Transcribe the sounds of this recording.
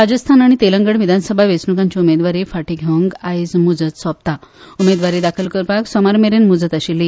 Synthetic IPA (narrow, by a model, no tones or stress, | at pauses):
ɾad͡zəst̪ʰanaɽ̃it̪eləŋɡəɳʋid̪ʱansəbʱaʋet͡snukãɲt͡ɕiumed̪ʋaɾiːfaʈiɡʱeŋɡajd͡zmud͡zət̪sʋap̚t̪aumed̪ʋaɾid̪akʰəlkəɾpaksɔmaɾmeɾenmud͡zət̪əɕili